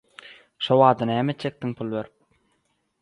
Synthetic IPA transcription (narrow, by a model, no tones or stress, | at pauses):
ʃowɑːd̪ɯnæːmet̪t͡ʃek̚t̪iŋpʰulˠβeɾip̚